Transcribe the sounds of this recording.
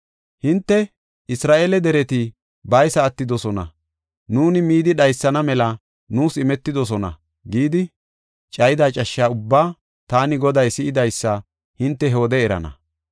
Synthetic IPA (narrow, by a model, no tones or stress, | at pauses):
hɪnt̪ːɛ | ʔɪsɾaːʔeːlɛd̪ɛɾɛt̪ɪ | bɐjsɐːt̪ːɪd̪ɔsɔnɐ̰ | nuːnɪmiːd̪ɪɗɐjsːɐnɐmɛlɐ | nuːsɪmɛt̪ːɪd̪ɔs̬ɔnɐ̰ | ɡiːd̪ɪ | t͡ʃʼɐjɪd̪aːt͡ʃʼɐʃːaːʊbːaː | t̪aːnɪɡɔd̪ɐjsɪʔɪd̪ɐjsːɐ | hɪnt̪ːɛɦo̞ːd̪ɛɛɾɐ̰nɐ̰